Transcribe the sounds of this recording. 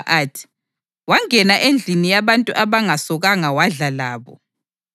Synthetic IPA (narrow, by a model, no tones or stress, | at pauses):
ʔatʰi̥ | waŋɛnaʔend͡ɮʱinijaβantʼṵʔaβaŋasɔɣaŋawaɮalaːβɔ̰